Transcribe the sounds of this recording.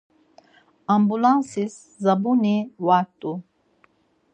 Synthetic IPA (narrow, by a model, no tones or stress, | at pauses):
ambulãnsis | zɐbuniwat̪u